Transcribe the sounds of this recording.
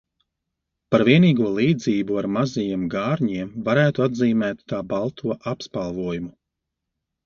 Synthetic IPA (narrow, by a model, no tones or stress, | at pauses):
paɾviɛniːɡuɔlˠiːd̪ziːbuaɾmazajiɛmɡaːɾɲiɛmvaɾæːt̪uad̪ziːmɛːt̪ːaːbalˠt̪ʰuɔʔapspalˠvuɔjumu